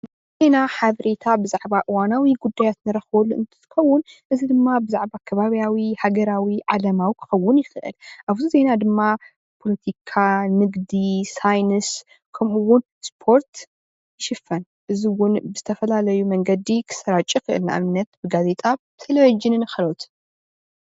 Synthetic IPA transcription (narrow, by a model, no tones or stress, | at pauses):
nɨ | ze̞naħaβɐɾet̪ʰabɨzaʕbaʔɨwanawiɡud̪ːajat̪nɨɾɐxbolːuʔɨ̰nt̪ʰɨ̥t̪ɨ̥xɐwːʊnʔɨzid̪ɨmːabɨzaʕbakʰɐβaβjawihaɡɐɾawiʕalɐmawikʰɨ̥xɐwːʊnjɪxɨʔɨ̰lʔaβzuze̞nad̪ɨmːa | pʰo̞lɐt̪ʰikʰanɨɡd̪isajnɨs | kʰɐmuwʊn | spʰo̞ɾt̪ | ʃɪfɐn | ʔɨziwʊnbɨzɨt̪ʰɐfɐlalɐjumɐŋɡɐd̪ikʰɨ̥sɐɾat͡ʃʼikɨʔɨ̰lnaʔa̰mɨnːɐt̪bɨɡaze̞t̪ʼa | t̪ʰelovid͡ʒɨnɨnɨxɐlot̪